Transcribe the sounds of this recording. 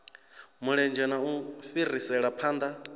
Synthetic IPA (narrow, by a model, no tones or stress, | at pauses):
muɺɛnd͡ʒɛnauɸirisɛɺapʰaːnd̪a